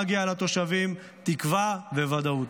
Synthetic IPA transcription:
ɡialat̪o̞ʃavim | t̪ikvavevad̪aut̪

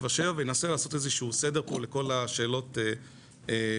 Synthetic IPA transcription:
vaʃevavejenaselaːso̞tezeʃuusede̞ʁpole̞ko̞laʃe̞ːlo̞te | e

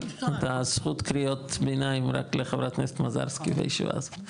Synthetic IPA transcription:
atasχutkɾiotbenaimɾa̰kleχavɾatnɛst̪maza̰ɾskivḛjʃḭva̰z

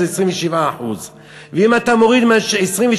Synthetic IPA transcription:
eesʁiɱveʃivaːħuz | veimat̪amoʁid̪maʃesʁiɱvɛ

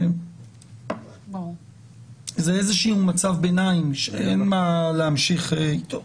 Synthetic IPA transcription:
zeezeʃiumat͡savbenaimʃeenmaleamʃiχeit̪ʰo

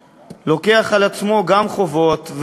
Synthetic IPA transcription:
lo̞ke̞aχalat͡smo̞ɡamχo̞vo̞t̪v

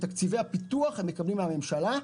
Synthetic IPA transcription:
t̪akt͡sive̞japit̪uaχemːekablimeame̞mʃala

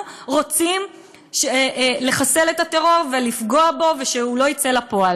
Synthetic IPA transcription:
ʁo̞t͡sim | ʃeʔle̞χase̞letateʁo̞ʁvelifɡo̞abo̞veʃeulo̞it͡se̞lapo̞al

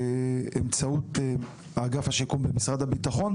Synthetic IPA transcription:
emt͡saut | aɡafhaʃikumbemisʁad̪habitaχo̞n

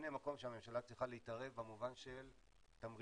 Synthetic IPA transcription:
nemako̞mʃeame̞mʃalat͡sʁiχaleitaʁe̞vbamuvanʃel | tamʁ

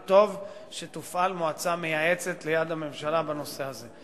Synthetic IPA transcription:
t̪o̞vʃet̪ufalmoat͡same̞jae̞t͡set̪le̞jad̪hame̞mʃalabano̞se̞aze̞

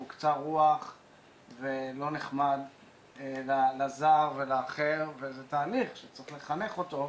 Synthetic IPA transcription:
ukt͡saʁuaχ | velo̞niχmad̪ | lalazaʁvelaːχeʁvezetaːliχʃet͡sʁiχle̞χane̞χo̞t̪o̞

